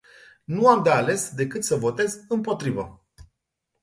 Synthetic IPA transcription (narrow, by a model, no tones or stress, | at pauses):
nuamd̪eale̞sd̪e̞kɨt̪səvo̞t̪e̞zɨmpo̞t̪ɾivə